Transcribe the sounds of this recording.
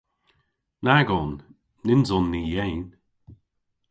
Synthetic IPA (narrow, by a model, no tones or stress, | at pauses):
naɡɔnː | ɪnzɔnːiːjejn